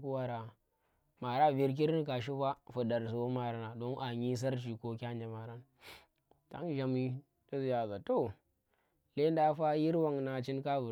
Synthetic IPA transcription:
ku˦wa˦ɾa˨ | ma˨ɾa˦˨vi˦ɾk̬i˦ɾi˦n˦ka˨ʃi˦ɸa˦fu˨da˨ɾs̬u˨wo˦ma˨ɾa˨na˨do˦nʔa˨ɲi˦s̬a˦ɾt͡ʃi˨ko˦kʲa˦nd͡ʒa˨ma˨ɾa˦n | ta̰˦ŋ˦ʒa˨mi˦ | ta˦zi˨ja˨za˨to˦ | le˦n˦da˦fa˦ji˦ɾwa˨ŋna˨t͡ʃi˦nka˦vu˨

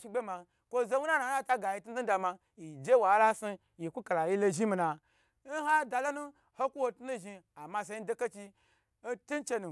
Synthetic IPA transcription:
ʃi˧ɡ͡be˦ma˧ | kʷo˦ze˦wu˦na˦na˨˦a˦˨ta˦ɡa˨ji˧tu˦n̩˦i˦da˧ma˧ | ji˨d͡ʒe˦wa˨˦la˦su˧ | ji˨kʷu˦ka˨la˨ji˦lo˧ʒi˦mi˧na˨ | n̩˦ɦa˦da˧lo˦nu˦ | ho˦kʷu˦wo˨tu˦nu˦ʒi˧a˨ma˧˨s̬e˧i˦n̩˦do˦ka˦t͡ʃi˧ | n̩˦tu˦n˦t͡ʃe˧nu˨

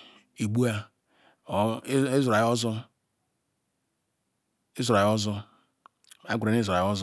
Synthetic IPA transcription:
i˨ɡ͡bu˦a˦ | e˦zo˨a˨˦ɔ˦zɔ˦ | e˦zo˨ɾa˨jɔ˦zɔ˦ | a˨˦ɡu˨ɾa˨˦ne˦zo˨ɾa˨˦ɔ˦z

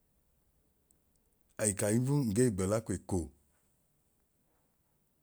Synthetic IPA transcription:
a˨ji˨ka˨ji˦vu˦ŋ̩˨ɡe˦i˨ɡ͡bɛ˨la˦ko˨e˨ko˨

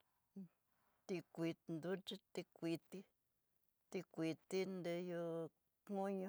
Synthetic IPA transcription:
t̪i˧kʷi˧t̪nd̪u˦t͡ʃi˦˧t̪i˧kʷi˧t̪i˦ | t̪i˧kʷi˧t̪i˦nd̪e˧jo˧ | kũ˦ɲũ˧

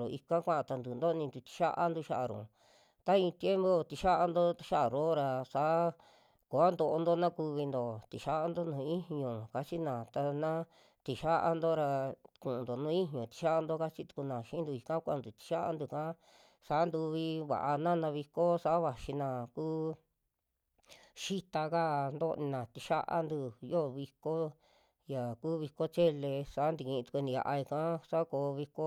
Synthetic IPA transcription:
ɾo̰˨i˧kã˦kʷã˦ʔã˨t̪a˧nd̪uː˨nd̪o˦˧nĩ˧d̪u˧t̪i̥˧ʃa˦ʔa̰˧nd̪u˧ʃa˦ʔa˨ɾṵ̃˨ | t̪a˦ĩ˧t̪je˦mbo˦t̪i˧ʃa˦ʔa˧nd̪o˦ʃa˦a˨ɾo˦ɾa˧sa˨˦ | ko˨a˦nd̪o˧ʔo˧nd̪o˦nã˦ku˧βi˧nd̪o˨t̪i˨ʃa˦a˦nd̪o˦nũː˧˨˦ĩ˦ɦɲõ˨ka˧t͡ʃi˦nã˨t̪a˧nã˦ | t̪i˨ʃa˦ʔa̰˧nd̪o˦ɾa˧kũ˨ʔnd̪o˨nũ˦ĩ˦ɦɲõ˨t̪i̥˧ʃa˦ʔa˧nd̪o˦ka˦t͡ʃi˦t̪u̥˧ku˧nã˨ʃi˧˦nd̪u˧i˧kã˦kʷã˦˨˧nd̪u˨t̪i̥˧ʃa˦ʔa̰˧nd̪u˧˨kã˦ | sa˨˦nd̪u˧βi˧βa̰˨ʔa˧nã˦nã˧βi˧ko˦sa˧ʔβa˨ʃi˧nã˧˨kuː˦ | ʃi˦t̪a˧ka˦nd̪o˦˧nĩ˧nã˨t̪i˧ʃa̰˦ʔa̰˦nd̪u˧jo˦˧βi˧ko˦ | ja˨kuː˦βi˧ko˦t͡ʃe˦le˧sa˨˦nd̪i˧kĩ˧t̪u̥˧u˧nĩ˧ja̰˧ʔa˧i˧kã˦sa˦koː˧βi˧ko˦

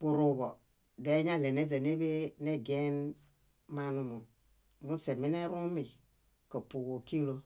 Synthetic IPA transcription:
bu˨ɾu˨bɔ˨ | de˨˦ɲa˦˨le˨ne˦d͡ze˨ne˦be˦ne˦ɡe˦n | ma˦nu˦mo˨ | mu˦se˨mi˦ne˦ɾu˦mi˨ | ko˨pu˨ɣo˨ki˦lo˦

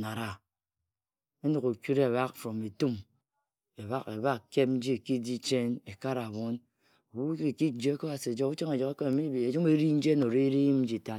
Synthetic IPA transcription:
na˨ɾa˨ | e˦no˨ko˨kʲu˦ɾe˦˨βa˦kfɾo˨me˨tu˦m | e˨βa˦kḛ˨ba˦kke˦p̚n̩˦d͡ʒi˦e˨ki˦di˦t͡ʃe˦ne˨ka˦ɾa˨βo˦n | o˨wu˦˨ki˦d͡ʒe˦ko˦βa˨si˨d͡ʒɔ˦ku˦t͡ʃɔ˦ŋe˨d͡ʒɔ˨ke˦ke˦me˨mi˦bi˨e˨d͡ʒu˦me˦ɾi˦n̩˦d͡ʒe˦no˨ɾe˦ɾi˦mn̩˦d͡ʒi˨ta˦

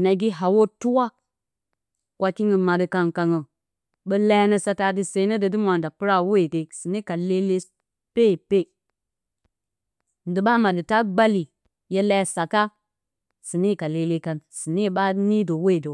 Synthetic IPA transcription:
na˨ɡi˦ɦa˨wo˦tu˦wa˦ | kʷa˦ki˦ŋə˨ma˨də˨ka˨nka˨ŋə˨ | bə˦la˦nə˦sa˨ta˨di˨se˨˦nə˦də˨di˦mʷ˦a˨n˨da˨pu˦ɾa˦we˦˨de˨si˨ni˦ka˨le˦le˦ | pe˦˨pe˦˨ | n˨di˨ba˦ma˨dɨ˨ta˦ɡ͡ba˦li˨ | je˦la˦˨sa˨ka˦ | si˨ni˦˨ka˨le˨le˦ka˨nsi˨ne˦˨ɓa˦ni˦do˨we˦˨do˨

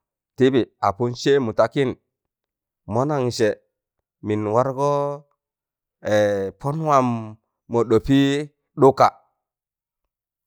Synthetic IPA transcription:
ti˦bi˨a˨pu˦nt͡ʃe˦mu˨ta˨˦ki˦n | mo˦na˨ŋse˨ | mi˨nwa˦ɾɡo˦ | e˨po˦n˦wa˨mː | o˨ɗo˨pi˦ | ɗu˦ka˨

